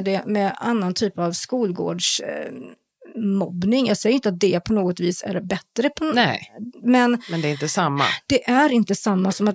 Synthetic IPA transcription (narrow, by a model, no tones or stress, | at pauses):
ɖɛmɛanːant̪ʰyːpavskuːlɡo̰ːɖʂ | mɔbnɪŋjɑːɡsɛjəɾɪnt̪əat̪̚d̪ɛpʰɔnoːɡɔt̪viːsæ̰ɾbɛt̪ːɾəpʰɔnɛmɛnmɛnd̪ɛɾɪnt̪əsamːa̰d̪̥ɛʔæɾɪnt̪əsamːasɔmat̪